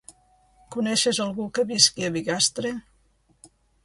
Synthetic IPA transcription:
kunɛʃezəlˠɣukəβiskiəβiɣast̪ɾe

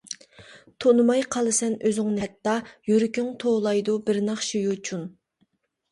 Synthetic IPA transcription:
t̪ʰonɨmɑjqʰɑlˠɨsɛnøzɪŋnɛt̪ːɑjyɾykʲʰyŋt̪ʰolˠɑjd̪ubɪɾnɑχʃijut͡ʃʰun

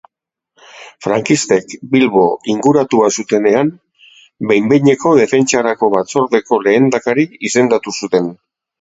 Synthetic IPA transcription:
fɾaŋkist̪e̞kbilβo̞iŋɡuɾat̪uasut̪e̞ne̞am | bejmbeɲe̞ko̞ðe̞fe̞nt͡ʃaɾako̞βat͡so̞ɾðe̞ko̞le̞ːnd̪akaɾiise̞nd̪at̪usut̪e̞n

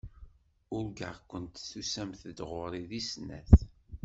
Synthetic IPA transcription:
ʊɾɡə̰ʁkʷːənt̪θusæmθd̪ʁʊɾˤiðisnːæ̰θ

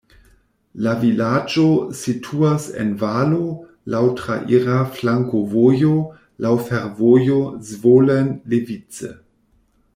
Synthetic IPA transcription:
lavilad͡ʒositʰuasḛnvalo | lawtɾa̰ʔiɾaflaŋkovojo | lʔawfeɾvojozvolenlevit͡sḛ

